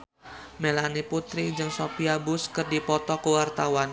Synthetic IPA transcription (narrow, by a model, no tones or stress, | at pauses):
melaniput̪ɾid͡ʒɨŋsopiabʊskɨrdipɔt̪ɔkəwart̪awan